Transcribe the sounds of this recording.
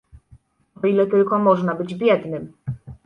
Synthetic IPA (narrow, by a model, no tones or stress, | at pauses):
ɔilɛt̪ɘlkɔmɔʐnabɘd͡ʑbʲjɛd̪nɘm